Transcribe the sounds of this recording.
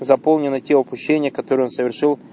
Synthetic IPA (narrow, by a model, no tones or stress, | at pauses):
zɐpo̞lˠnʲɪnɨtʲeʊpʊɕːenʲɪjəkɐt̪oɾəjo̞nsəvʲɪrʂɨlˠ